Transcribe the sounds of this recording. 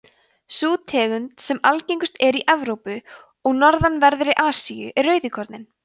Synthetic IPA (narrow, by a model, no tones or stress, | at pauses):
suːt̪ʰɛːɣʏnt̪sɛmalcejŋkʏst̪ɛɾiʔɛvɾowpʏ | ɔɣnɔɾðanvɛɾðʏɾɪʔaːsijʏ̰ʔɛrːœːɥðɪkʰɔɾt̪nɪn